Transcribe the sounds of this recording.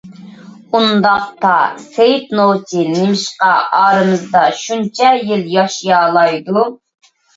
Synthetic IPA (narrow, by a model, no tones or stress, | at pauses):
und̪ɑq̚t̪ɑ̰sejt̪nowt͡ʃʰinɪmɪʃqɑʔɑːɾɨmɨzd̪ɑʃunt͡ʃʰɛjɪljɑʃijɑːlˠɑjd̪u